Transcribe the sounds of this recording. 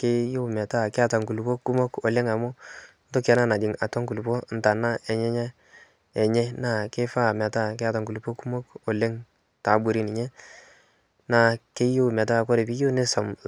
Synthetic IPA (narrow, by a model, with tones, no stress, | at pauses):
ke˦jʊ˦mɛ˨ta˦˨kɪ˦a˨ta˨ŋku˨lu˨po˦ku˦mo˦kɔ˨lɪ˦ŋa˨mʊ˦ | n̩˦to˦kɛ˦na˦na˨d͡ʒɪ˨ŋa˨tɔ˦ŋku˨lu˨po˦n̩˨ta˨na˦ʔɛ˨ɲɛ˦ɲɛ˦ | ɛ˨ɲɛ˦na˦˨ke˦fa˦˨mɛ˨ta˦ke˦a˦ta˨ŋku˨lu˨po˦ku˦mo˦kɔ˨le˦ŋ | ta˨˦bu˦˨ɾi˦nɪ˨ɲɛ˦ | na˦˨ke˦jo˦˨mɛ˨t̬a˦˨kɔ˦ɾe˨pi˦jo˦ne˦sɔ˨m